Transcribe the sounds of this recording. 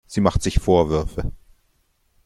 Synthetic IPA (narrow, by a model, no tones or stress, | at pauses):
z̥iːmaχtz̥ɪçfoːɐvʏɐfə